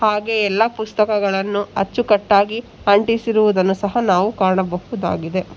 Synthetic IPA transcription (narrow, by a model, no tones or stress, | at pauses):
haːɡe̞ɛlːɐpust̪ɐkɐɡɐɭɐnːuɐt͡ʃːukɐʈːaːɡi | ɐɳʈisiɾuʋud̪ɐnːusɐɦɐnaːʋukaːɾɐɳɐbɐɦud̪a̰ːɡid̪e̞